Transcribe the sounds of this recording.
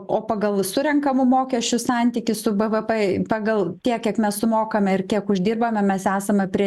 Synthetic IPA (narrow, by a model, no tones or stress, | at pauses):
oːpɑɡɐlˠsʊɾʲɛŋkɐmʊmoːkʲɛʃʲt͡ʃʲʊsɑnʲt̪ʲiːkʲɪssʊbɛʋɛpɛpɑɡɐlˠt̪ʲiɛkʲiɛkmʲɛssʊmoːkɐmʲɛɪrkʲiɛkʊʒʲd̪ʲiːrbɐmʲɛmʲɛsæːsɐmʲɛpʲɾʲiɛ